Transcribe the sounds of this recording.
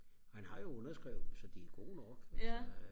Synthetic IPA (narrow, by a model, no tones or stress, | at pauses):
ɒhænhɑ̈jo̝ɔnɐsɡ̥ʁɛʊð̩ˠsɒ̽d̥iæɡ̥o̝̰ːnɒɡ̥